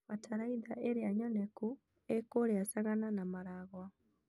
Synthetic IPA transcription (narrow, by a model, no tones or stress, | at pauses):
ataɾaiðaʔeɾeaɲɔnɛku | ekoɾeasaɣananamaɾaɣwa